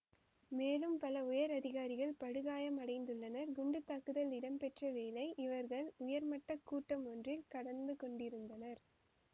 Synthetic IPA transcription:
meːlɯmpɐlɐʊjɐɾɐðɪɣaːɾɪɣɐɭpɐɽɯɣaːjɐmɐɽɐɪnd̪ɯɭːɐnɐɾɡʊɳɖɯt̪ːakːɯðɐlɪɽɐmpɛʈrɐʋeːlɐɪʔɪʋɐɾɣɐɭʊjɐɾmɐʈːɐkːuːʈːɐmɔndrɪlkɐɽɐnd̪ɯkɔɳɖɪɾɯnd̪ɐnɐɾ

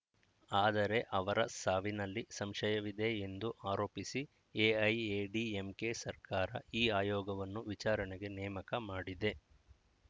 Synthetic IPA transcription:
aːd̪ɐɾe̞ʔɐʋɐɾɐsaːʋinɐlːisɐmʃɐjɐʋid̪e̞end̪uʔaːɾoːpisi | eɐjeɖiemke̞sɐɾkaːɾɐ̰iːaːjɔːɡɐʋɐnːuʋit͡ʃaːɾɐɳeɡe̞nɛːmɐkɐmaːɽid̪e̞

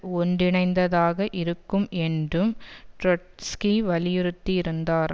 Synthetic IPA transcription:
ɔɳɖɪɳɐɪnd̪ɐðaːɣɐʔɪɾɯkːɯmɛndrɯmʈɾɔʈskiʋɐlɪjɪɾɯt̪ːiɪɾɯnd̪aːɾ

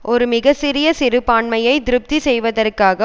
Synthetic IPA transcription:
ʔɔɾɯmɪɣɐsɪɾɪjɐsɪɾɯpːaːɳmɐjɐɪd̪ɪɾɯp̚t̪isɛjʋɐðɐrkaːɣɐ

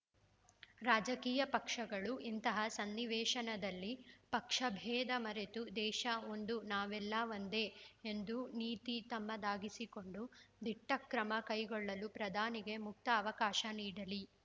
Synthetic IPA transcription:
ɾaːd͡ʒɐkiːjɐpɐkʂɐɡɐɭuʔint̪ɐɦɐsɐnːiʋɛːʃɐnɐd̪ɐlːipɐkʂɐbʱɛːd̪ɐmɐɾet̪ud̪ɛːʃɐo̞nd̪unaːʋɛlːɐʋɐnd̪eend̪uniːt̪it̪ɐmːɐd̪aːɡisiko̞ɳɖud̪ʱiʈːɐkɾɐmɐkɐjɡɔɭːɐlupɾɐd̪ʱaːniɡe̞muk̚t̪ɐːʋɐkaːʃɐniːɽɐli

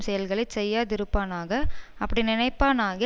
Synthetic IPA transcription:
sɛjɐlɣɐɭɐɪsɛjːaːt̪ɪɾɯpːaːnaːɣɐɐpːɐɽinɪnɐɪpːaːnaːɣɪ

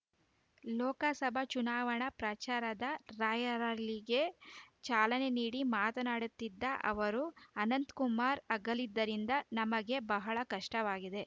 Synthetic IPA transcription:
lɔːkɐsɐbʱɐt͡ʃunaːʋɐɳɐpɾɐt͡ʃaːɾɐd̪ɐɾaːjɐɾaliɡet͡ʃaːlɐne̞niːɽimaːt̪ɐnaːɽut̪ːid̪ːɐʔɐ̰ʋɐɾuɐnɐnt̪kumaːɾɐɡɐlid̪ːɐɾind̪ɐnɐmɐɡe̞bɐɦɐɭɐkɐʂʈɐʋaːɡid̪e̞

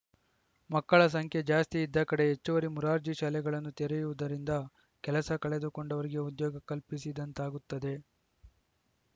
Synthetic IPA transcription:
mɐkːɐɭɐs̬ɐŋkʰjed͡ʒaːst̪iːd̪ːɐkɐɽe̞ɦet͡ʃːuʋɐɾimuɾaːɾd͡ʒiʃaːlɛɡɐɭɐnːut̪eɾejuʋud̪ɐɾind̪ɐ | kɛlɐsɐkɐɭe̞d̪uko̞ɳɖɐʋɐɾiɡe̞ud̪jɔːɡɐkɐlpisid̪ɐnt̪aːɡut̪ːɐd̪e̞

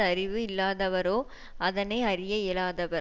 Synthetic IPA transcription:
ɐɾɪʋɯɪlːaːðɐʋɐɾoː | ɐðɐnɐɪɐɾɪjɐɪlaːðɐʋɐ

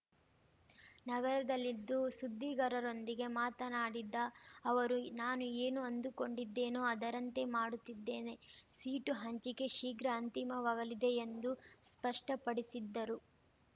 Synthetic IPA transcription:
nɐɡɐɾɐd̪ɐlːid̪ːusud̪ʱːiɡɐɾɐɾo̞nd̪iɡe̞maːt̪ɐnaːɽid̪ːɐːʋɐɾunaːnue̞ːnuɐnd̪uko̞ɳɖid̪ːe̞ːnoɐd̪ɐɾɐnt̪e̞maːɽut̪ːid̪ːe̞ːne̞siːʈuɦɐɲt͡ʃike̞ʃiːɡɾɐːnt̪imɐʋaːɡɐlid̪e̞ːnd̪uspɐʂʈɐpɐɽisid̪ːɐɾu

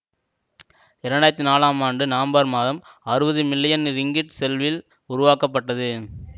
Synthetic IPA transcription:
ɪɾɐɳɖaːɾt̪ːinaːlaːmaːɳɖɯnaːmbaːɾmaːðɐm | ɐɾɯbɐðɯmɪlːɪjɐnɾɪŋɡɪʈsɛlʋɪl | ʊɾʊʋaːkɐpːɐʈːɐðɯ

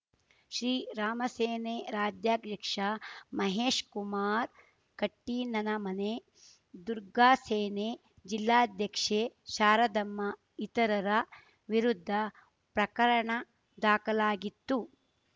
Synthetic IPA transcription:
ʃɾiːɾaːmɐseːneːɾaːd̪jaːɡjɐkʂɐmɐɦeːʂkumaːɾ | kɐʈːiːnɐnɐmɐne | d̪uɾɡaːseːneː | d͡ʒilːaːɐd̪ʱjɐkʂeːʃaːɾɐd̪ɐmːɐ | it̪ɐɾɐɾɐ | ʋiɾud̪ʱːɐ | pɾɐkɐɾɐɳɐ | d̪aːkɐlaːɡit̪ːu

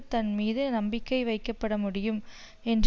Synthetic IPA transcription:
t̪ɐnmiːðɯnɐmbɪkːɐɪʋɐɪkːɐpːɐɽɐmʊɽɪjɯm | ɛndr

